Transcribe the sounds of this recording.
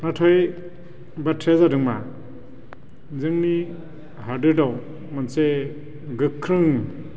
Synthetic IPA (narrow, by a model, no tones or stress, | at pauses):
natʰɔj | batʰezadɯŋma | zɯŋni | haɾdɯdaw | manse | ɡɯkʰːɾɯŋ